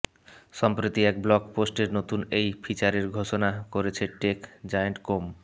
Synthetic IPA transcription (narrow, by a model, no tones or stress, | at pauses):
ʃɔmpɾit̪iɛkblɔkposʈeɾnot̪unejpʰit͡ɕaɾeɾɡʱoʃonakoɾet͡ɕʰeʈekd͡ʑajeɳʈkom